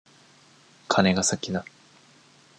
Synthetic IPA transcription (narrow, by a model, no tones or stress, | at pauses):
kʰane̞ɡasakʲina